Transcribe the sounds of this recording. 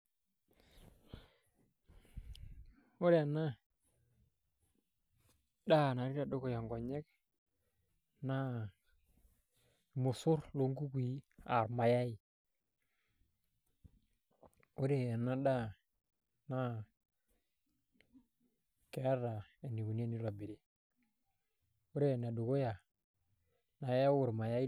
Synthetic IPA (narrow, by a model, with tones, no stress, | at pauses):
o˦ɾe˦a˨na˦ | ɗa˦˨na˨ɾi˦ɾa˨do˦ko˦˨ja˨ŋɡɔ˨ɲɛ˦k̚ | na˦˨ | mʊ˨sʊ˦ɾlo˨˦ŋɡu˦ki˨a̰˨ɾma˨ja˦i˨ | u˦ɾe˨na˦ɗa˦ | na˦ | ke˨a˦ɾa˨e˨ni˨ɡu˨ni˦ni˦la˨bi˨ɾe˨ | u˦ɾe˦˨na˨du˨ko˦ja˨ | na˨ja˦wʊ˨ɾma˨ja˦i˦